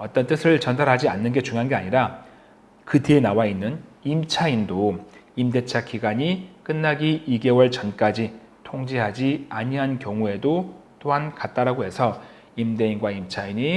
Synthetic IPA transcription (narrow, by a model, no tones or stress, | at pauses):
ʌt͈ʌnt͈ɯsʰɯɭt͡ɕʌndaɾɦad͡ʑianːɯnɡe̞t͡ɕuŋjoɦanɡe̞aɲiɾa | kɯteːnawainːɯnimt͡ɕʰaindoimde̞t͡ɕʰakiɡaɲik͈ɯnːaɡiːɡe̞wʌɭt͡ɕʌnk͈ad͡ʑi | tʰoŋd͡ʑiɦad͡ʑiaɲiɦankjʌŋue̞dot͈oɦankat̚t͈aɾaɡoɦe̞sʰʌ | imde̞inɡwaimt͡ɕʰaiɲi